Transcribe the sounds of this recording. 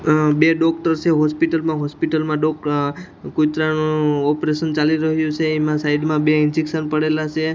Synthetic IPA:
beɖɔk̚ʈəɾt͡ʃʰeɦɔspiʈəlmãɦospiʈəlmãɖɔk | kut̪ɾanũɔpɾeʃənt͡ʃaliɾəɦjũt͡ʃʰeːmãsaiɖmãbeɪnd͡ʒikʃənpəɽelat͡ʃʰe

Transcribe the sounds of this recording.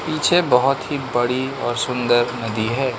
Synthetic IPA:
piːt͡ʃʰebɔɦʊt̪ɦibɐɽiɔːɾsʊ̃nd̪əɾnɐd̪iɦɛː

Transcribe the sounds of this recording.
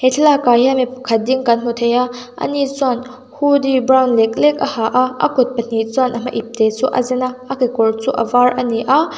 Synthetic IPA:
hɛt̪ʰlakaɦimipkʰɐt̪̚diŋkanm̥ut̪ʰejaʔɐ̰nit͡sɔn | hudibɾawnlɛk̚lɛk̚ʔɐhaʔaʔɐ̰kʊt̪̚pɐn̥it͡sɔnʔɐm̥ɐʔip̚t̪ɛt͡sṵʔɐ̰zɛnaʔakekɔrt͡sṵʔɐ̰varʔɐniʔa

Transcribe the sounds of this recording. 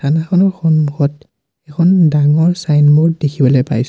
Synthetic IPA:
tʰanaxʰɔnɔɹxɔnmuxɔt | ɛkʰɔndaŋɔɹsajnmuɹdekʰibɔlojpa̰js

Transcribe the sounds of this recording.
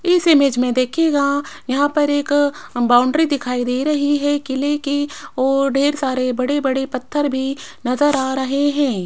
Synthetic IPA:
ɪsemeːd͡ʒmẽd̪eːkʰeːɡaːjɐɦãpɐɾeːkbaːʊ̃ɳɖɾid̪ɪkʰaːid̪eːɾɐɦiɦɛkɪlekiʋoːɖeːɾsaːɾebɐɽebɐɽepɐt̪ʰːəɾbʱinɐzəɾaːɾɐɦeɦɛ̃ː

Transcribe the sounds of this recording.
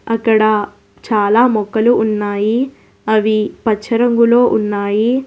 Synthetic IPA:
ɐkːɐɽɐ | t͡ʃaːlaːmɔkːɐluːnːaːji | ɐʋipɐt͡ʃʰːɐɾɐŋɡulo̞ːʔunːaːji

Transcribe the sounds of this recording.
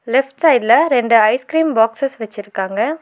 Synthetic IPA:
lɛfʈsɐɪɖlɐɾɛɳɖɯɐɪskɾiːmbaːksɐsʋɛt͡ʃːɪɾɯkːaːŋɡɐ

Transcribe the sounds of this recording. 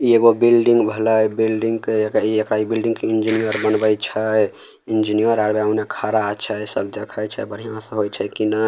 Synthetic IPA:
ieɡobilɖiŋɡbʱələjbilɖiŋɡkeekaiekɾaibilɖĩŋɡkeind͡ʒinijəɾbənbəjt͡ʃʰəj | ind͡ʒinijəɾaɾbeawnekʰaɾat͡ʃʰəjsəbd̪ekʰəjt͡ʃʰəbəɽ̤ijãsə̃ɦojt͡ʃʰəkinə

